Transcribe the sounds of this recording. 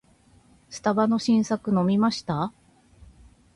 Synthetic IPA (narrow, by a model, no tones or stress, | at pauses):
sɨ̥t̪abano̞ɕĩɰ̃sakɯ̟no̞mʲimaɕi̥t̪a